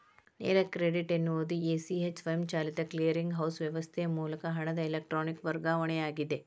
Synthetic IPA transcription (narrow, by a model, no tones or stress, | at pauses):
nḛːɾɐkɾeɖiʈenːuʋod̪ieːsiet͡ʃʋɐjmt͡ʃaːlit̪ɐklijɐɾiŋɡɦɐwsʋjɐʋɐst̪ʰejɐmuːlɐkɐɦɐɳɐd̪ɐelek̚ʈɾoːnikʋɐɾɡaːʋɐɳɛaːɡid̪e